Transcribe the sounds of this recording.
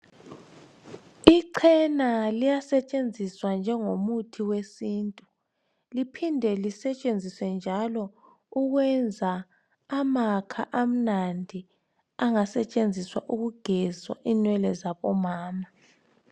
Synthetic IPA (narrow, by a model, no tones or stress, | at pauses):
iǀʰɛnalijasɛt͡ʃʼend͡zʱiswand͡ʒʱɛŋomutʰiwesiːntʼu | lipʰindʱɛlisɛt͡ʃʼend͡zʱiswɛnd͡ʒʱalɔ | uɣwɛnd͡zʱaː | makʰaʔam̩nandʱi | aŋasɛt͡ʃʼend͡zʱiswa̰ʔuɣuɡ̥ʱɛzwa̰ʔinwɛlɛzaβɔmaːma